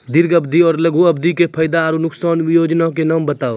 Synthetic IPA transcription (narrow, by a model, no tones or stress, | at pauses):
d̪ɪɾɡəbd̪ʱiɔːɾləɡʱuɐbd̪ʱikepʰəjd̪aːɾunʊksaːnʋɪjoːd͡ʒnãkenaːmbət̪aːo